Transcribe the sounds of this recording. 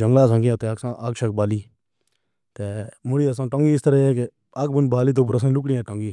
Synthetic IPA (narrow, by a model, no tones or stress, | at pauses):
d͡ʒəŋɡlaːs̬ãːŋɡiãːt̪eːaksãːʔakʃək̚baːliː | t̪eːmʊɽiːəs̬ãːʈõŋɡiːɪst̪əɾəːeːke | ak̚bʊnbaːliːt̪̬oːpʊɾəs̬ãːlʊkɽĩːɛ̃ːʈə̃ŋɡiː